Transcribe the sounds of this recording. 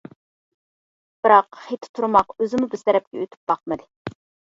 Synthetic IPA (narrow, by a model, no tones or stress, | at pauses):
b̥ɨɾɑqχet̪ʰɪ̥t̪ʰuɾmɑqøzɪmubɪzt̪ʰɛɾɛp̚kʲɛøt̪ʰy̥p̚b̥ɑqmɨd̪ɨ